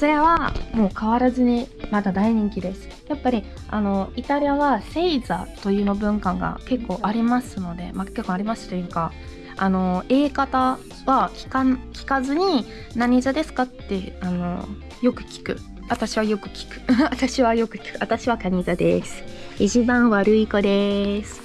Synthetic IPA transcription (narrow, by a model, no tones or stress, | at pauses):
so̞ɾeβamo̞ːkaβaɾazɨɲ̟imad̪ad̪aiɲ̟ĩŋkʲid̪e̞sɨ̥japːaɾʲi | ano̞it̪aɾʲiaβase̞iza̰t̪o̞jɯ̟ːno̞bɯ̟̃ŋkãŋɡa̰ke̞kːo̞ːʔaɾʲimasɨno̞d̪e̞̰makekːoaɾʲimasɨ̥t̪ojɯ̟ka | ano̞e̞ːkat̪a | βakʲi̥kakʲi̥kazɨɲ̟i | naɲ̟izad̪e̞sɨ̥kat̪ːe̞ano̞̰ | jo̞kɯ̟̥kʲi̥kɯ̟̰ | βat̪aɕiβajo̞kɯ̟̥kʲi̥kɯ̟̥at̪aɕiβajo̞kɯ̟kʲi̥kɯ̟at̪aɕiβakaɲ̟izad̪e̞sɨ̥it͡ɕibãɰ̃βaɾɯ̟iko̞d̪e̞sɨ̥